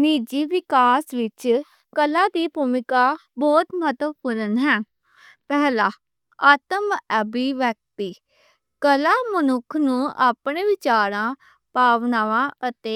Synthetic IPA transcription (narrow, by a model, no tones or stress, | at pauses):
niːd͡ʒiːʋɪkaːsʋɪt͡ʃ | kəlaːd̪iːbuːmɪkaːbɔːt̪mət̪ʋpuɾənɦɛː | pɛːlaː | aːt̪əmɛbiːʋək̚t̪iː | kəlaːmənʊkʰnũːʔaːpɳẽːʋɪt͡ʃaːɾãː | paːʋnaːʋãːət̪eː